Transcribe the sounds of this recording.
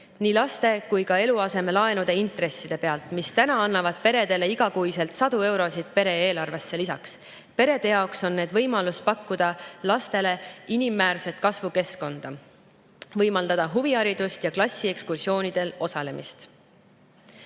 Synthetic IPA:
niːlɑst̪e̞kujkɑe̞luɑse̞me̞lɑe̞nud̪̥e̞int̪re̞sːid̪̥e̞pe̞ɑlt̪mist̪ænɑɑnːɑvɑd̪̥̚pe̞ɾe̞d̪e̞le̞iɡ̥ɑkujse̞lt̪sɑd̪̥ue̞wɾo̞sit̪̚pe̞ɾe̞e̞ːlɑrve̞sːe̞lisɑ̰ks | pe̞ɾe̞d̪̥e̞jɑokso̞nːe̞ːd̪vɤ̞jmɑlust̪̚pɑkːud̪̥ɑlɑst̪e̞le̞inimːæːlse̞t̪kɑsvuke̞sko̞nd̪̥ɑ | vɤjmɑld̪̥ɑd̪̥ɑɦuviɑɾid̪̥ust̪jɑklɑsʲːie̞kskursio̞ːnid̪̥e̞lo̞sɑle̞mʔḭst̪

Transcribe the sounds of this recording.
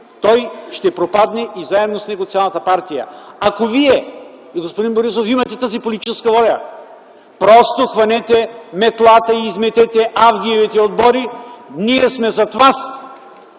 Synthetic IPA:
t̪ɔjʃt̪ɛpɾopad̪nɛʔizaɛd̪nosnɛɡot̪sʲialˠɐt̪ɐpaɾt̪ijɐ̰akoviɛ | ɡospod̪inboɾisofimɐt̪ɛt̪azipolit̪i̥t͡ʃɛskɐvɔʎʲɐ | pɾɔst̪oxvɐnɛt̪ɛmɛt̪lˠat̪ɐiːzmɛt̪ɛt̪ɛʔavɡʲiɛvit̪ɛod̪̚bɔɾiniɛsmɛzɐt̪vas

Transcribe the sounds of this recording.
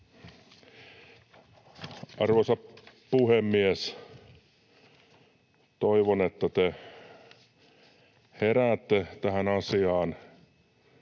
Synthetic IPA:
ʔɑrʋosɑp | puhemːies | t̪oiʋonet̪ːæt̪e | heræːt̪ːet̪æhænɑsiɑːn

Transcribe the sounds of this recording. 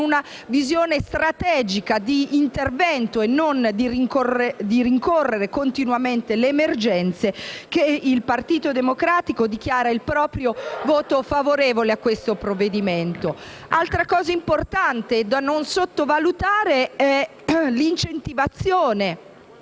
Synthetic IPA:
una | vizjoːnest̪ɾat̪ɛːd͡ʒikad̪iːnt̪ervɛnt̪oenːond̪iɾiŋkored̪iɾiŋkorːeɾekont̪inwament̪eleːmerd͡ʒɛnt̪sekeilpart̪iːt̪od̪emokɾaːt̪ikod̪ik̟jaːɾailpɾɔːpɾjovoːt̪ofavoɾeːvoleakːwest̪opɾovːed̪iment̪o | alt̪ɾakɔːzaimport̪ant̪ed̪anonsot̪ːovalut̪aːɾeɛ | lint͡ʃent̪ivat̪sːjoːne

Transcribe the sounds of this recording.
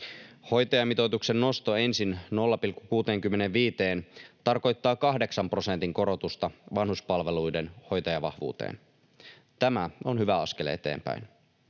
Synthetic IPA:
ho̞jt̪ɑjɑmit̪ot̪ukse̞nːo̞st̪oe̞nsinno̞lːɑpilkːukuːt̪eːŋk̟ymːe̞ne̞ʋʋiːt̪e̞ːnt̪ɑrko̞jt̪ːɑːkɑɦde̞ksɑmpro̞se̞nt̪iŋko̞ɾo̞t̪ust̪ɑʋɑnhuspɑlʋe̞lujde̞nho̞jt̪ɑjɑʋɑhʋṵːt̪ḛːn | t̪æmæo̞nhyʋæɑsk̟e̞le̞t̪ḛːmpæ̰jn

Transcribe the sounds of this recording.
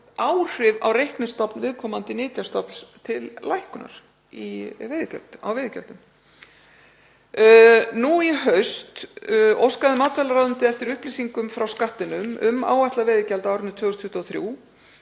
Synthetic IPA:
aːwr̥ɪva̰wrejhknɪst̪ɔpnvɪðkʰɔːmant̪ɪnɪːt̪jast̪ɔpst̪ʰɪlːlajhkʏna̰ɾ̥ | ivɪðcœ̰l̥t̪a̰wvɪːðcɛ̰l̥t̪ʏm | nuiɦœɥst̪owskaðɪmaːt̪ʰvalaɾaðʏnt̪ɪɛft̪ɪɾʏhpliːsiŋkʏmfɾawskaht̪ːɪnʏmʏ̰ma̰ːwajht̪lavɪːðɪcɛlt̪aawɾʏnt̪ʰvœːɣʏst̪ʰʏht̪ɔθɾjṵː

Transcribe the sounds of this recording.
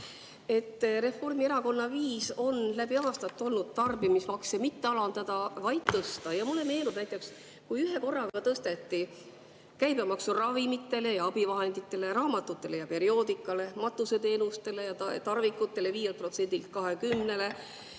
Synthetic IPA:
e̞t̪ːˑɾe̞fo̞rmie̞ɾɑko̞nːɑviːso̞nlæbiɑːst̪ɑt̪ːˑo̞lnud̪̥̚t̪ɑrbimismɑksemit̪ːe̞ɑlɑnd̪̥ɑd̪̥ɑvɑjd̪̥t̪ɤst̪ɑjɑmulːeme̞ːlnud̥næjt̪ːˑe̞ks | kujyɦe̞ko̞rːɑɡɑt̪ɤst̪e̞t̪ːi | kæjbɑmɑksurɑvimit̪ːˑe̞le̞jɑɑb̥ivɑɦe̞nd̪it̪ːˑe̞le̞ɾɑːmɑt̪ːut̪ːˑe̞le̞jɑpe̞ɾio̞ːd̪ikːˑɑle̞mɑt̪ːˑuse̞t̪e̞ːnust̪e̞le̞jɑt̪ɑrvikːˑut̪ːˑe̞le̞viːjelpro̞t̪se̞nʲd̪ilt̪̚kɑɦe̞kymne̞le̞

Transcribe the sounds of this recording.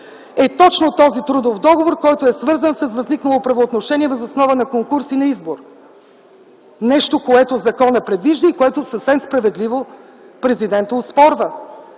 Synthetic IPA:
ɛt̪ɔt͡ʃnot̪ɔzit̪ɾud̪ofd̪ɔɡovoɾkɔjt̪oɛsvɤɾzənsəsvɐzniknɐlˠopɾɐvoːt̪noʃɛniɛvɛzosnɔvənɐkoŋkuɾsinɐizboɾ | nɛʃt̪okoɛt̪ozɐkɔnəpɾɛd̪viʒd̪əikoɛt̪osəfsɛmspɾɐvɛd̪livo | pɾɛzid̪ɛnt̪əʊspɔɾvə

